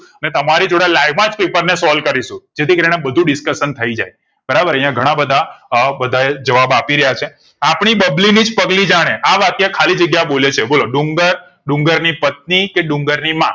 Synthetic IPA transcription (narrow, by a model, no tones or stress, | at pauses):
ənet̪əmaɾid͡ʒoɽalaiʋmãd͡ʒpepəɾnesɔlkəɾiʃũd͡ʒet̪ʰikəɾinẽbəd̪ʱũɖɪskəʃənt̪ʰəid͡ʒa̰j | bəɾabəɾəjãɡʱəɽ̃ãbəd̪ʱabəd̪ʱaed͡ʒəʋabapiɾəjat͡ʃʰe | apɳ̃ibəblinid͡ʒpəɡlid͡ʒaɽ̃eʔaʋak̪jekʰalid͡ʒəɡjaboljet͡ʃʰeboloɖũŋɡəɾ | ɖũŋɡəɾnipət̪̚nikeɖʊ̃ŋɡəɾnimã